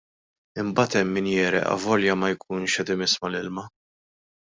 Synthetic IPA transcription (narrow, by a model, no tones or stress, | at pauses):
ɪmbɐːt̪ɛmːiːnjɛːɾɛ̰ʔɐ̰vɔljɐmɐjkʰuːnʃɛt̪ɪmɪsmɐlɪlmɐ